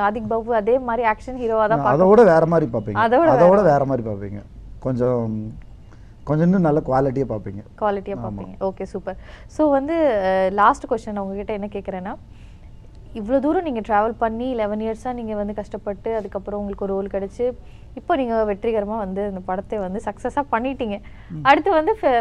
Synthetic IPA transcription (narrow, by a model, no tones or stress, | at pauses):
ɐðɪk̚baːʋɯɐðeːmaːd̪ɾiaːkʂɐnɦiɾoːʋaːd̪ãːpaːɾɐðɐkoːɽɐʋeːɾɐmaːd̪ɾipaːɾpːiːŋɐðɐoːɽɐɐɐkoːɽɐʋeːɾɐmaːd̪ɾipaːɾpːḭːŋɡɐkɔɲd͡ʒɔ̃ | kɔɲd͡ʒɐnd̪ɯnɐlːɐkʊʋaːlɪʈːijaːpaːɾpiːŋɡɐkʊʋaːlɪʈːɪjaːpaːmḭːŋɡɐʔoːkeːsuːpɐɾsoːʋɐnd̪ɯlaːsʈɯkʋɛsʈɐnɐʊŋɡɐkɪʈːɐɛnːɐkeːkːɪɾẽːnːaː | ɪʋːɐɭoːd̪uːɾɐ̃niːŋɡɐʈɾaːʋɐlpɐɳːilɛʋɐnijɐɾsaːniːŋɡɐʋɐnd̪ɯkɐʂʈɐpːɐʈːɯɐðɯkːɐpːɯɾɐ̃ʊŋɡɐɭɯkːɔɾɯuːlkɐɽɛt͡ʃːɯ | ɪpːoːniːŋɡɐʋɛʈɾɪɣɐɾɐmaːʋɐnd̪ɯɐnd̪ɐpɐɽɐt̪ːeʋɐnd̪ɯsɐksɐsaːpɐɳːɪʈːiːŋɡɐ | ɐɽɯt̪ːɐʋɐnd̪ɯ